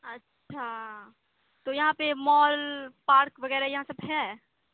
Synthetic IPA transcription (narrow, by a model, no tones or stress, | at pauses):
ɐtːʃʰa | t̪ojɐɦãpemɔːlpaːɾkʋɐɣɛːɾajɐɦãsɐbɦɛ